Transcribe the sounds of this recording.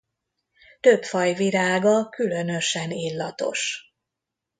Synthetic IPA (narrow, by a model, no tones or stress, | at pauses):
t̪ø̞pfɒjviɾaːɡɒkylø̞nø̞ʃɛnilːɒt̪o̞̰ʃ